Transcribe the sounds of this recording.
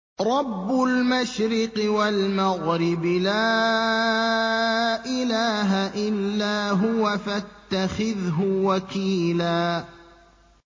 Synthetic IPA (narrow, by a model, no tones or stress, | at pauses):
ɾˤɑbːʊlmaʃɾɪqɪwalmaɣɾɪblaː | ʔɪlaːɦaʔɪlːaːɦʊwafat̪ːaxɪðɦʊwakiːlaː